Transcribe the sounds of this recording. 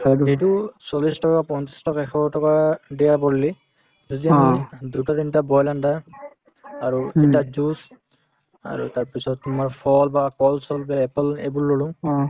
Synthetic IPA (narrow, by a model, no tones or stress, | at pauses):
etusɔlistɔkapɔnti̥stɔkaɛkʰɔɔtɔkadɛjapɔɹili | zɔdiandutɔtintabɔjlanda | aɹuetad͡ʒus | a̰ɹṵtaɹpisɔtːmaɹpʰɔlbakɔlsɔlbɛɛplḛbʊɹːolʊ̃ŋ